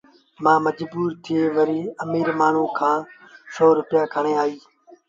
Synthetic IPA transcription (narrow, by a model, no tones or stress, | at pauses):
mãːməd͡ʒbuːɾt̪ʰɪeːʋəɾiːəmiːɾmaːn̤ũːkʰãː | soːɾʊpɪjaːkʰəɳẽːaːiː